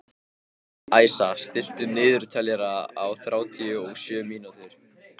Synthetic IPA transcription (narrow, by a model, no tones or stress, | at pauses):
aːjsast̪ɪl̥t̪ʏnɪːðʏɾ̥t̪ʰalɛɾaawθɾʔaːwt̪ʰiʏɔɣsjœːmiːnut̪ʏɾ̥